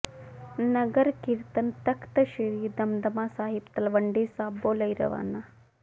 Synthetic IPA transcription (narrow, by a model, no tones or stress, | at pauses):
nəɡəɾkiɾt̪ənt̪ɐkt̪əʃiɾiːd̪ɐmd̪əmaːsaːɦibt̪ɐlʋəɳɖisaːboːləjɾɐ̰ʋa̰ːna